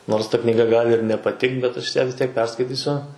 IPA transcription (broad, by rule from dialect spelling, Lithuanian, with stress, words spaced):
ˈnoːrs tɐ knʲiːˈɡɐ ˈɡɑːlʲɪ ɪr nʲɛpɐˈtʲɪkt bʲɛt ˈɐʃ jæː ʋʲɪs ˈtʲiɛk ˈpʲɛrskɐɪtʲiːsʲʊ